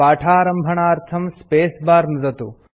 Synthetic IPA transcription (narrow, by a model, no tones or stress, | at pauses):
aːʈʰaːɾɐmbʱɐɳ̃aːɐɾt̪ʰɐmspeːsbaːɾnɐzɐt̪u